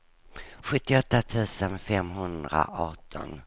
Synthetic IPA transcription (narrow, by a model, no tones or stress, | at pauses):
ɧɵt̪ːɪɔt̪ːat̪ʰʉ̟ːsənfɛmɦɵnd̪ɾa̰ɑːʈʰɔ̰n